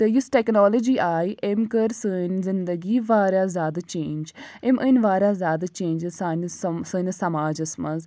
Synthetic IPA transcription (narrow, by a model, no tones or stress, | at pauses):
t̪ejɪsʈɛːknoːləd͡ʒiːʔaːiʔemkəɾsənzɪnd̪əɡiːʋaːɾjaːzaːd̪t͡ʃẽːnd͡ʒemʔənʋaːɾaːzaːd̪t͡ʃẽːnd͡ʒəzsanssənsəmaːd͡ʒəsməz